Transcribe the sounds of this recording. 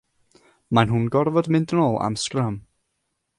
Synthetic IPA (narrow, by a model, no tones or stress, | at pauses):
manɦʊnɡɔrvɔdmɪndənoːlˠa̰mskram